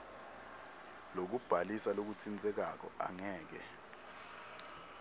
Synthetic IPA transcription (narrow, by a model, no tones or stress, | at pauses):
lok̬ub̥ʱalisalok̬ut͡sʰint͡sʼɛk̬ak̬ɔ̰a̰ŋɛːk̬ɛ̰